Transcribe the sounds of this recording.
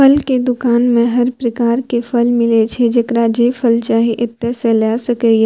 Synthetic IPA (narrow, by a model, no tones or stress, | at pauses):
ɐlked̪ʊkaːnmẽɦɐɾpɾɐkaːɾkefʰɐlmɪlet͡ʃʰed͡ʒɐkɾad͡ʒeːfʰəlt͡ʃaːɦeʔɪt̪ːɛselɛːsɐkeɡe